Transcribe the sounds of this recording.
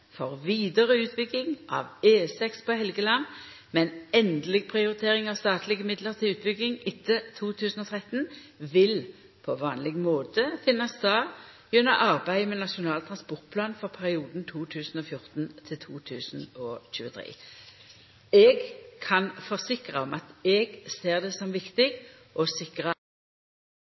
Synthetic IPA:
fɔʁʋiːd̪əʁəʉːt̪̚bʏɡɪŋʔɑ̰ʋeːsɛkspʰɔhɛlɡəlɑn | mɛnɛnd̪lɪɡ̚pʰʁɪʊʁɪt̪ʰeːʁɪŋɑʋst̪ɑːt̪lɪɡəmɪd̪ləʁt̪ʰɪlʉːt̪̚bʏɡɪŋɪt̪ʰːət̪ʰuːt̪ʰʉːsən̩ɔt̪ʰʁɛt̪n | ʋɪl | pʰɔʋɑːnlɪɡmoːt̪əfɪnːɑst̪ɑː | jʉnːəʔɑʁbæɪmɛnɑʃʊnɑːlt̪ʰʁɑnspɔʁt̪̚pʰlɑːnfɔʁpʰæʁɪuːd̪n̩t̪ʰuːt̪ʰʉːsn̩ɔfjʊʁt̪n̩t̪ʰɪlt̪ʰuːt̪ʰʉːsn̩ɔːçʉːət̪ʰʁḛː | ɛɡkʰɑnfɔʁsɪkʁəɔmɑt̪ɛɡseːʁd̪ɛsɔmʋɪkt̪ɪɡ | ʔɔsɪkʁə

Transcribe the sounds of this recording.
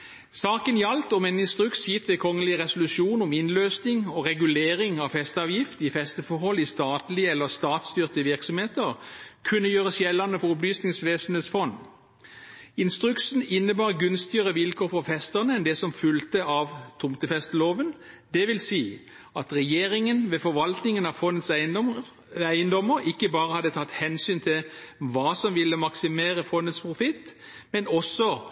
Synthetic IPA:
sɑːkənjɑlt̪ɔmɛːnɪnst̪ʁʉksjɪt̪ʋɛkʰɔŋːəlɪʁɛsʊlʉʃuːnɔmɪnløːsnɪŋɔʁɛɡʉleːʁɪŋɑʋfɛst̪ɑːʋjɪft̪ɪfɛst̪əfɔhɔlːɪst̪ɑːt̪lɪəɛlːəst̪ɑːt̪st̪yːʁt̪əʋɪʁksɔmheːt̪əʁkʰʉnːəjøːʁəsjɛlːɑnəfɔʁɔplyːsnɪŋsʋeːsən̩heːt̪sfɔn | ɪnst̪ʁʉksn̩ɪnːəbɑːʁɡʉnst̪ɪəʁəʋɪlkʰoːfɔʁfɛst̪əʁnəɛnd̪ɛsɔmfʉlt̪əɑʋt̪ʰʊmt̪əfɛst̪loːʋən | d̪ɛʋɪlsiː | ɑt̪ʁɛjeːɾɪŋənʋɛfɔʋɑlt̪nɪŋənɑʋfɔnːət̪sæɪ | æɪənd̪ɔməɾɪkːəbɑːʁəhɑd̪ət̪ʰɑt̪ːhɛnsyːnt̪ʰɪlʋɑːsɔmʋɪlːəmɑksɪmeːɾəfɔnət̪spʰʁʊfɪt̪mɛnɔsɔ

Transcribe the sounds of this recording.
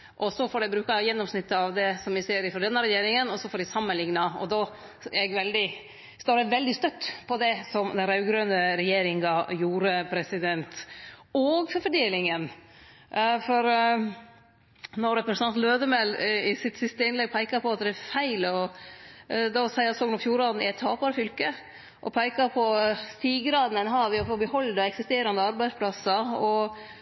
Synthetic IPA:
ʔɔsɔfɔɖɛbɾʉːkɑjɛnːɔmsnɪt̪ːəɑʋd̪ɛsɔmʋɪseːɾɪfɔɖ̪ɛnːəɾɛjeːɾɪŋənɔsɔfɔːɖɛɪsɑmːənlɪŋnɑɔ̰d̪ɑ | æ̰ɛɡʋɛld̪ɪ | st̪oːɖɛʋɛld̪ɪst̪œt̪ːpʰɔd̪ɛsɔmd̪ɛnɾɑʉɡɾønəɾɛjeːɾɪŋɡɑjuːɾəpʰɾɛsɪd̪ɛnt̪ɔɡfɔɾfɔɖeːlɪŋən | fɔɾ | nɔɾɛpɾəsnɑnt̪løːd̪əmɛlɪsɪt̪sɪst̪əɪnlɛɡ̚pʰæɪkɑpʰɔɑt̪̚d̪ɛæfæɪlɔ | d̪ɑsæɪɑsɔːɡnɔfjuːɾɑd̪n̩ɪæɪt̪ʰːɑːpɑɾəfʏlkə | ʔɔpʰæɪkɑpʰɔst̪iːɡɾɑːd̪n̩ɛnɦɑʋɪɔfoːbəhɔld̪ɑɛksɪst̪eːɾɑnd̪əɑɾbæɪspʰlɑsɑɔ

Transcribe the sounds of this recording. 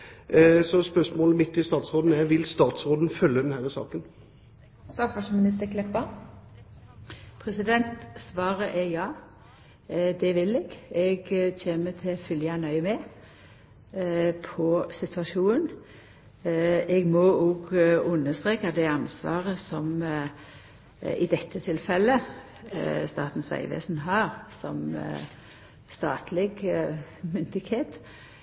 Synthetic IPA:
sɔspœʂmoːləmɪt̪ːɪst̪ɑːt̪sʁoːd̪n̩æʋɪlst̪ɑːt̪sʁoːd̪n̩fœlːəd̪ɛnhæɾəsɑ̰ːkən | sɑfɑʂmɪnɪst̪əkʰlɛpːɑ | pʰʁɛsɪd̪ɛnt̪sʋɑːʁəʔɛjɑː | d̪ɛʋɪlɛɡɛɡçeːmət̪ʰɛfʏljɑnœʏmɛ | pʰɔsɪt̪ʰʉɑʃuːn | ɛɡmɔɔɡʉnːəst̪ʁeːkad̪ɛɑnsʋɑ̰ːʁəsɔm | ɪ̰d̪ɛt̪ʰːət̪ʰɪlfɛlːə | st̪ɑ̰ːt̪n̩sʋæ̰ɪʋḛːsn̩ɦɑʁsɔ̰m | st̪ɑːt̪ʰlɪɡ | mʏnd̪ɪɡheːt̪

